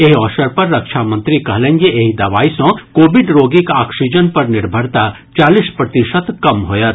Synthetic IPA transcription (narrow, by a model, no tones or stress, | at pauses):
eɦɔːʃəɾpɐɾːɐkʃʰamɐ̃nt̪ɾikɐɦlẽnɡeʔeːɦid̪ɐʋaːisõkoːbɪɖɾoːɡikaːkʃid͡ʒənpɐɾnɪɾbʱəɾt̪a | t͡ʃaːlispɾɐt̪iʃət̪kɐmɦoːjat̪